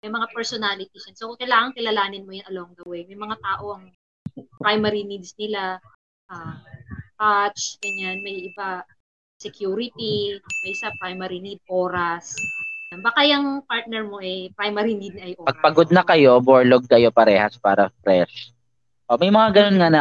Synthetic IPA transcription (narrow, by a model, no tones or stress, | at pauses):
mɐjmɐŋapɛɹsonaːlɪt̪ɪsjɐnsokkɐjlaːŋɐŋkɪlɐlaːnɪnmojʊnʔɐlowɐŋɡ̪ɐwɛmɐjmɐŋat̪aːʔo̞ʔɐŋ | pɾajmɛɾinid̪snɪla | ʔa | kat͡ʃɡɐɲːanmɐjʔɪba | sɛkjuːɾɪt̪imɐjsɐpɾajmɐɾinid̪̚ʔoːɾɐsjanbakajɐŋpaɹt̪̚nɛɹmo̞ʔɛpɾajmɐɾinid̪nɐjʔopɐɡ̚pɐɡod̪̚nɐkɐjo̞boɹloɡ̚kɐjopɐɾɛːhɐspa̰ːɾɐfɾɛʃ | ʔomɐjmɐŋaɡɐnonŋanɐ